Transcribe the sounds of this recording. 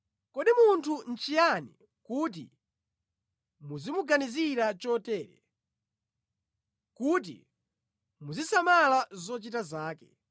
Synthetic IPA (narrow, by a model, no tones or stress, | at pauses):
kɔɗimuntʰun̩t͡ʃijanḭ | kut̬ḭ | muzimuɡaniziɾat͡ʃɔtɛːɾɛ̰ | kut̬ḭ | muzisamalazɔt͡ʃitazaːkɛ